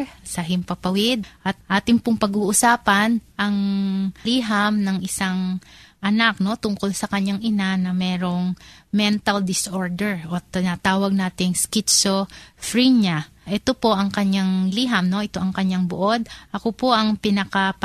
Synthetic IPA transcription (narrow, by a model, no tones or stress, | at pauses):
sɐɦɪmpɐpɐwɪd̪̚ʔɐt̪̚ʔaːt̪ɪŋpʊŋpɐɡuːʔʊsaːpɐnʔɐŋliːɦɐmnɐŋʔɪsaŋʔɐnak̚no̞t̪ʊŋko̞lsɐkɐɲːaŋʔɪnanɐmɛːɾo̞ŋmɛnt̪ɐld̪ɪsʔo̞ɹd̪ɛɹʔot̪ɪnat̪aːwɐɡ̚naːt̪ɪŋskɪt̪t͡ʃofɹiɲa | ʔɛt̪o̞po̞ʔɐŋkɐɲːaŋliɦɐmno̞ʔɪt̪o̞ʔɐŋkɐɲːaŋboʔo̞d̪̚ʔɐko̞po̞ʔɐŋpɪnɐkɐp